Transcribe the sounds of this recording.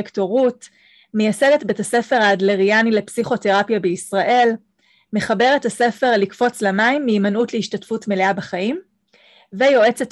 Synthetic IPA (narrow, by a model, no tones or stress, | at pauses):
ktoʁut | mejasede̞tbetase̞fe̞ʁaːdleʁianile̞psiχo̞te̞ʁapjabeisʁaʔe̞l | me̞χabe̞ʁetase̞fe̞ʁlikfo̞t͡slamaimːiːmanutleiʃtatfutme̞leabaχaim | vejo̞e̞t͡set